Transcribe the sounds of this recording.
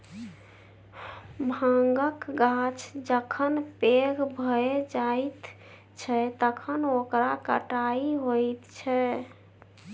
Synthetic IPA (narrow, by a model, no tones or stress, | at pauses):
bʱaŋɡəkɡat͡ʃʰd͡ʒəkʰənpeɡbʱəed͡ʒajt̪ | t͡ʃʰɛt̪əkʰənokɾakə̰ʈaiɦojt̪t͡ʃʰɛ